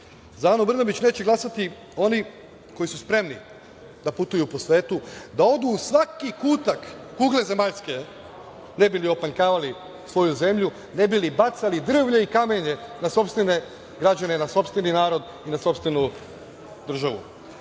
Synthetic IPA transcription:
zaːnobrnabit͡ɕne̞ːt͡ɕeɡlˠasat̪i | o̞ni | ko̞isuspɾe̞mni | d̪aput̪ujupo̞sʋe̞ːt̪ud̪ao̞d̪uːsʋakikuːt̪akːuːɡle̞ze̞maʎske̞ | nebilio̞paŋkaːʋali | sʋo̞juze̞mʎu | nebilibat̪salid̪r̩ʋʎeikame̞ɲe̞naso̞pst̪ʋene̞ | ɡɾad͡ʑane̞naso̞pst̪ʋeninaːɾo̞d̪ | inaso̞pst̪ʋenu | d̪r̩ʒaʋṵ

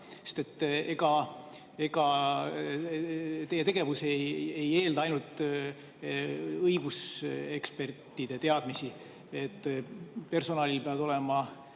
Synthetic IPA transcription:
sest̪e̞t̪ːe̞ɡ̥ɑ | e̞ɡ̥ɑ | t̪e̞je̞t̪e̞ɡ̥e̞vuseje̞je̞ːld̪̥ɑɑjnult̪ːˑ | ɤjɡ̥use̞kspert̪ːˑid̪̥e̞t̪e̞ɑd̪misi | et̪ˑːpe̞rso̞nɑːlilpeɑd̪̥o̞le̞mɑ

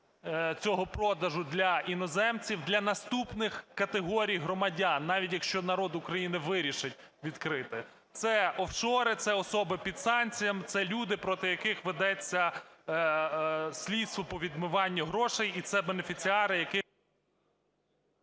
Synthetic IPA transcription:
t͡sʲɔɦɔpɾɔd̪ɐʒʊd̪lʲɐinɔzɛmt͡sʲiwd̪lʲɐnɐst̪upnɪxkɐt̪eɦɔɾʲijɦɾɔmɐdʲɑnːɑʋʲitʲjɐkʃt͡ʃɔnɐɾɔd̪ʊkɾɐjinɪʋɪɾʲiʃɪtʲ | ʋʲid̪kɾɪt̪ɪ | t̪sɛɔwʃɔɾɪt̪sɛɔsɔbɪpʲid̪sɑnʲt͡sʲijɐmt̪sɛlʲud̪ɪpɾɔt̪ɪjɐkɪxʋed̪ɛt͡sʲːɐ | sʲlʲid̪st̪ʋɔpɔʋʲid̪mʊʋɑnʲːɐɦɾɔʃɛjit̪sɛbenefʲit͡sʲiɑɾɪjɐkɪ

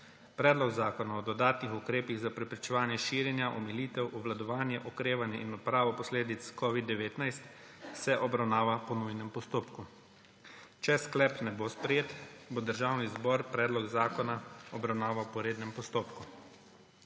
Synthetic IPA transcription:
pɾɛːd̪lɔɡzaːkɔnaɔd̪ɔd̪aːt̪nixukɾeːpiɣzapɾɛpɾit͡ʃɛʋaːnjɛʃiːɾjɛnjaʔɔmɛliːt̪ɛwʔɔʋlad̪ɔʋaːnjɛʔɔkɾeːʋanjɛʔinɔpɾaːʋɔpɔsleːd̪it̪skɔːʋid̪ːɛʋeːt̪najst̪ | sɛʔɔbɾawnaːʋapɔnujnɛmpɔst̪oːpku | t͡ʃɛsklɛpnɛbospɾɛjeːt̪bod̪əɾʒawnizbɔɾpɾɛːd̪lɔɡzaːkɔnaɔbɾawnaːʋawpɔɾeːd̪nɛmpɔst̪oːpku

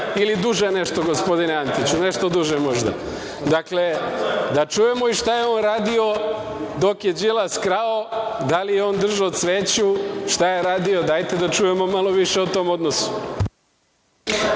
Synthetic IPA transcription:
ilid̪uʒene̞ʃt̪o̞ɡo̞spo̞d̪ineant̪it͡ɕune̞ʃt̪o̞d̪uʒemo̞ʒd̪a̰ | d̪akle̞d̪at͡ʃuje̞mo̞iʃt̪ajeoːnɾaːd̪io̞ | d̪o̞kje̞d͡ʒilˠaskɾaod̪alijeo̞ːnd̪r̩ʒaosʋeːt͡ɕuʃt̪ajeɾaːd̪io̞d̪ajt̪e̞d̪at͡ʃuje̞mo̞malˠo̞ʋiʃe̞ut̪o̞ːmo̞d̪nosu̥

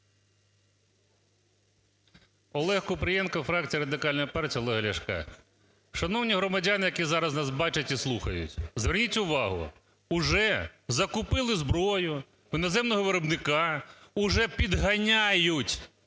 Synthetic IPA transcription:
ɔlˠɛhkʊpɾɪjɛnkɐfɾɑk̚t͡sʲijɐɾɐd̪ɪkɑlʲnɐjɐpɑrtʲijɐɔlˠɛɦɐlʲɐʃkɑ̰ | ʃɐnɔwnʲiɦɾɔmɐdʲanɪjɐkʲizɑɾɐznɑsbɑt͡ʃɐtʲislˠuxɐjʊ̰tʲzʋernʲitʲʊʋɑɦʊ̰ | ʊʒɛzɐkʊpɪlˠɪzbɾɔjʊ | inɔzɛmnɔɦɔʋeɾɔbnɪkɑʊʒɛpʲid̪ɦɐnʲajʊtʲ

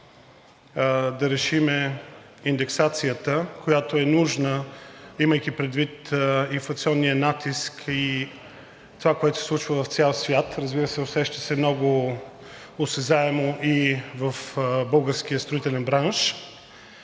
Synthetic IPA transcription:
d̪ɐɾɛʃimɛ | ind̪ɛksat̪sijət̪əkojat̪oɛnuʒnəiməjk̟ipɾɛd̪vit̪ĩnflˠɐkt̪siɔnːijənat̪iski | t̪ovakoɛt̪osɛsˠut͡ʃvəvɐft̪sʲjalˠsvʲjat̪ɾəzbiɾəsɛosɛʃt̪ə̥sɛmnɔɡʊ | osɛzaɛmoʔivəfbɤlˠɡəɾsk̟ijəst̪ɾoit̪ɛlɛnbɾanʃ

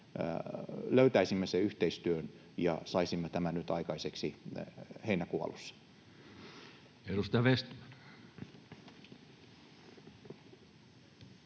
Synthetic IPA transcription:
løyt̪æisimːøseyht̪eist̪yøn | jɑ̰sɑisimːøt̪æmænyt̪ɑikɑiseksi | heinækuɑ̰lusːɑ̥ | eɾust̪jɑʋest̪mæn

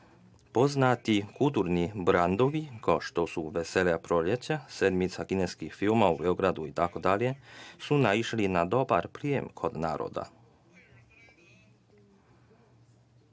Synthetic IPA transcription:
po̞znat̪ikulˠt̪uɾnibɾand̪o̞ʋikaʃt̪osuʋeseljapɾo̞ljet͡ɕased̪mit̪sakineskixfilmaube̞oɡɾad̪uit̪ako̞d̪alje̞sunaiʃlinad̪o̞ba̰ɾpɾijḛmkʰo̞d̪naːɾo̰d̪a̰

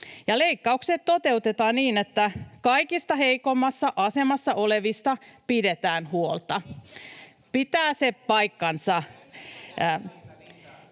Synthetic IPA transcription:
jɑleikːɑukset̪t̪ot̪e̞ut̪et̪ɑːnniːnet̪ːækɑikist̪ɑheikomːɑsːɑʔɑse̞mɑsːɑoleʋist̪ɑpidet̪æːnhuolt̪ɑ | pit̪æːsepɑikːɑnsɑ

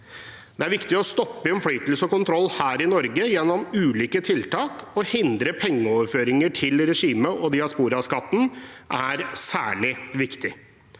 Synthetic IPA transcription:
d̪̥ɛæɾʋɪkt̪ɪɔst̪ɔpːəɪɛnfɽyːt̪lsəɔkʊnt̪ʰɾɔlːhæːɾɪnɔɾɡəjɛnːɔmʉːliːkət̪ʰɪlt̪ʰɑːkɔhɪnd̪ɾəpʰɛŋːəɔːʋəɾføːɾɪŋəʈʰɪlɾɛʂiːməʔɔd̪ɪɑspuːɾɑskɑt̪ːn̩ʔæɾsæːɭɪʋɪkt̪ɪ

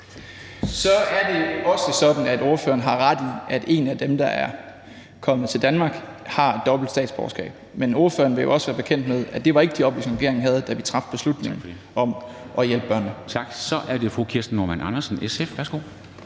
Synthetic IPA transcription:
sɒ̽æɐd̥e̝ɒ̽səsɒ̽d̥n̩æd̥o̝ɐfø̰ːɐnɦɑ̈ʁɑd̥iæd̥e̝̰næd̥emd̥ɑ̈ʔæɐ | kʰɒ̽mð̩ˠt͡sʰe̝ld̥ænmɑ̈ːɡ̥hɑ̈ed̥ɒ̽b̥l̩d̥sdɛ̰ːd̥sb̥ɒ̰ʊɐsɡ̥ɛ̰ːb̥̚meno̝ːɐfø̰ːɐn̩ʋe̝jo̝ɒ̽səʋæːɐb̥e̝kʰen̰d̥með̞ˠæd̥e̝ʋɑ̈e̝ɡ̥əd̥iɒ̽b̥lisʁɛɡ̥e̝ɐeŋ̩ɦæð̞̩ˠd̥æʋit͡sʰʁɑ̈fd̥̚b̥e̝slud̥ne̝ŋn̩ | ʔɒ̽mʔɒ̽jelb̥ə̥ɶɐ̰nət͡sʰɑ̈ɡ̥sɒ̽ʔæɐde̝fʁukʰiɐsd̥n̩ːoɐmænɑ̈nɐsn̩esefʋæɐsɡ̥o̝̰ː

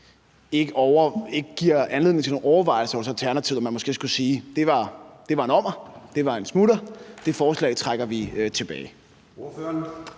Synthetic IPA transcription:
e̝ɡ̥əʔɒʊɐe̝ɡ̥əɡ̥iɐ̰ænleðˠeŋt͡sʰeno̝ːɒʊɐʋɑ̈ɪlsəɒlsælt͡sʰæɐnæt͡sʰiʊ̰ɒmænmɒ̽sɡ̥e̝̰ːsɡ̥usiːd̥e̝ʋɑ̈d̥e̝ʋɑ̈e̝nɒ̽m̰ɐd̥e̝ʋɑ̈e̝nsmud̥ɐd̥e̝fɒːslɛ̰ɪt͡sʰʁaɡ̥ɐʋiøt͡sʰe̝b̥ɛ̰ːɪ | øn

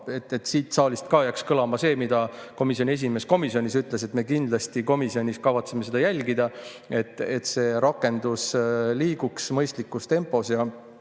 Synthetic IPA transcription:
e̞t̪ːˑe̞t̪ːsiːt̪ˑsɑːlist̪kɑːjækskɤlɑmɑse̞ːmid̪ɑko̞misjonie̞s̬ʲime̞sko̞misio̞nʲisyt̪ːˑle̞se̞t̪ːme̞kind̪̥lɑst̪iko̞misio̞nʲiskɑvɑt̪seme̞se̞d̪ɑjælʲɡid̪̥ɑ | e̞t̪ːˑe̞t̪se̞ːɾɑkːˑe̞nd̪usliːɡ̥uksmɤjst̪likːˑust̪e̞mpːˑo̞sjɑ

